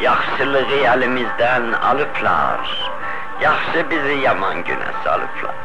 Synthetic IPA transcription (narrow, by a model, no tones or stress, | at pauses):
jɑχʃɨlˠɨʁɨælɪmɪzd̪ænɑ̰lˠɨpʰlˠɑ̰ɾ | jɑχʃɨbɪzɪjɑmɑnɡy̰næ̰sɑ̰lˠɨ̰pʰlˠɑ̰ɾ